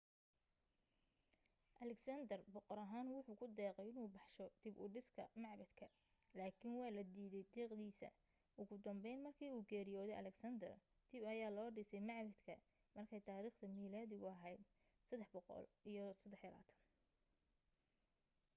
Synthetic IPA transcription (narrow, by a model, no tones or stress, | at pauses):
ʔɐlɛksɐnd̪ɐrbɔqɔɾɐɦaːnwʊħuːkʰʊd̪ɛːqɛjɪnuːbɑħʃɔd̪̥ɪbʊ̰ːɖɪskʰɐmɑʕbɐd̪kʰɐ | laːkʰɪnwɑːlɐd̪iːðɛjd̪iːqd̪iːsɐ̰ | ʔʊɣʊd̪ɐmbɛjnmɐrkʰiːuːɡɛːɾɪjɔːðɛjʔɐ̰lɛɡsɐnd̪ɐr | d̪̥ɪbɐjaːlɔːɖɪsɛjmɑʕbɐd̪kʰɐ | mɐrkʰɛjt̪ʰaːɾiːχt̪ʰɐmiːlaːðɪɣʊɐɦɛjd̪ | sɐd̪ːɛħbɔqɔ̰lʔijɞsɐd̪ɛħjɐla̰ːt̪ʰɐ̥n